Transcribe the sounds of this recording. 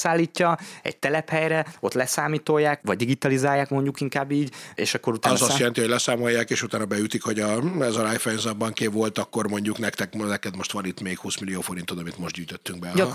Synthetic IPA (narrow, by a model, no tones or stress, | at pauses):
saːlːiːcːɒɛ̰ɟ̚t̪ɛlɛphɛjɾɛo̞t̪lɛsaːmiːt̪o̞jːaːkʋɒɟ̚d̪iɡit̪ɒlizaːjːaːkmo̞ɲɟukiŋkaːbːiːɟḛːʃɒkːo̞ɾut̪ːzɒst̪ɛlɛnt̪iholɛsaːmo̞jːaːkeːʃut̪aːnɒbɛjyt̪ikho̞ɟɒɛzɒɾajfɛjnzɑbɒŋkevo̞lt̪ɒkːo̞rmo̞ɲɟuknɛkt̪ɛknɛkɛd̪mo̞ʃt̪ʋɒnit̪meːkhuːsmilːijoːfo̞ɾint̪ːod̪ɒmint̪mo̞ʒd̪ɟyːjt̪øt̪ːyŋɡbɛ